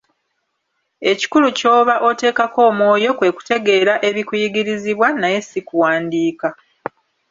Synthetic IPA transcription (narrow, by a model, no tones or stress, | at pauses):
e̞ci̥kuluco̞ːβaʔo̞te̞ːkako̞ːmwo̞ːjo̞kwe̞ku̥te̞ɡe̞ːɾaʔe̞βikujiɡiɾiziβwanaje̞sikuwaːndiːka